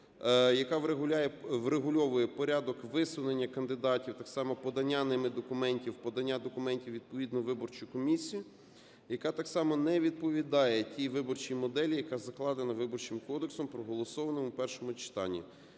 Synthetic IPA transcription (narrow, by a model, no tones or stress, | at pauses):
jɐkɑʋɾeɦʊlʲajɛʋreɦʊlʲɔʋʊjɛpɔɾʲad̪ɔkʋɪsʊnenʲːɐkɐnd̪ɪd̪ɑtʲiwt̪ɑksɑmɔpɔd̪ɐnʲːanɪmɪd̪ɔkʊmɛnʲtʲiwpɔd̪ɐnʲːad̪ɔkʊmɛnʲtʲiwʋʲid̪̚pɔʋʲid̪nɔʋɪbɔrt͡ʃʊjkɔmʲisʲijʊ | jɐkɑt̪ɑksɑmɔnɛʋʲid̪̚pɔʋʲid̪ɑjɛtʲiʋɪbɔrt͡ʃijmɔd̪ɛlʲijɐkɑzɐklˠɑd̪enɐʋɪbɔrt͡ʃɪmkɔd̪eksɔmpɾɔɦɔlˠɔsɔʋɐnɔmʊpɛrʃɔmʊt͡ʃɪ̥t̪ɑ̰nʲːḭ